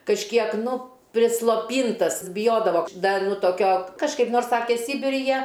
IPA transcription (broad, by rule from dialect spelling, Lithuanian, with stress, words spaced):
kɐʃʲˈkʲiɛk ˈnʊ pʲrʲɪslˠoːˈpʲiːntɐs bʲɪˈjoːdɐʋoː ˈdɐ ˈnʊ toːˈkʲoː kɐʃˈkɐɪp ˈnoːrs ˈsɑːkʲɛ ˈsʲiːbʲɪrʲɪ ˈjiɛ